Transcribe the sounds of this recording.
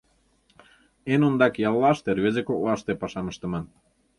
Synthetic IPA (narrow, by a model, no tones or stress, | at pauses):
enond̪ɑkjɑlːɑʃt̪erβezekoklɑʃt̪epɑʃɑməʃt̪ə̆mɤn